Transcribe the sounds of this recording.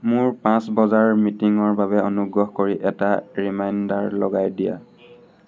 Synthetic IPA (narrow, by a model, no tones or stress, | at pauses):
mʊɹpãsbɔzaɹmitiŋɔɹbaβɛɔnuɡɹɔɦkoɹiʔɛtaɹimajndaɹlɔɡajdija̰